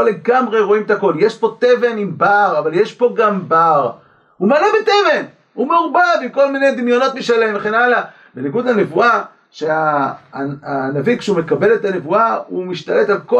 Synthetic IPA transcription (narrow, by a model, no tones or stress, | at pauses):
oleɡamʁe̞ʁo̞imet̪ako̞ljeʃpo̞t̪eve̞nimbaʁavaljeʃpo̞ɡambaʁ | humalebet̪eve̞n | umeʁubadimko̞lmine̞jd̪imjo̞no̞t̪miʃalemveχenala | be̞niɡud̪hane̞vua | ʃe̞a | anavikʃeume̞kabe̞le̞t̪ane̞vuaumiʃt̪ale̞t̪alko